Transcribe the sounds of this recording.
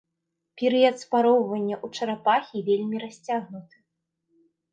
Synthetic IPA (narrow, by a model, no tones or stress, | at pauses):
pʲɛɾɨjɐt̪spaɾɔwvɐnʲːɐʔut͡ʂɐɾapaxʲivʲelʲmʲiɾasʲt͡sʲaɣnut̪ɨ̥